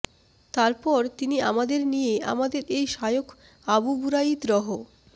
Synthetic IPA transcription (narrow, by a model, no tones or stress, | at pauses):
t̪aɾpɔɾt̪iniamad̪eɾnijea̰mad̪eɾejʃajok | abubuɾaid̪ɾɔɦo